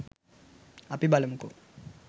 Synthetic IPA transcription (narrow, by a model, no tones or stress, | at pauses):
apibalɛmuko